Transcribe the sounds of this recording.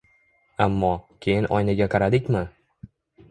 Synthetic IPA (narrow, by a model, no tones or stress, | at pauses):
amːɒkʲʰe̞jɪnʔɒjnaɡʲaqʰɑɾad̪ɪkʲmɪ